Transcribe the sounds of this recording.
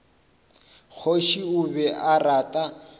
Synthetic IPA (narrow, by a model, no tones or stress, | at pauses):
k͡xʰoʃiʊβɛʔaratʼa